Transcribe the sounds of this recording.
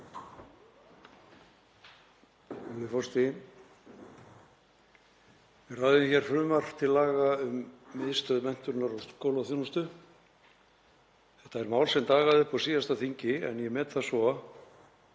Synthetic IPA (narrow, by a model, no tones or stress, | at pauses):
vɪfɔst̪ɪ | vɪrajðɪmçɛɾ̥fɾʏːmar̥t̪ʰɪlːaːɣaʏmːɪðst̪œðmɛn̥t̪ʏɾnaɾawkowlaθjonst̪ʏ | θɛht̪aɛɾmaːwlsɛmt̪aːɣaðʏhpasiːðast̪aθiɲcɪɛ̰njɛmɛːt̪θasɔ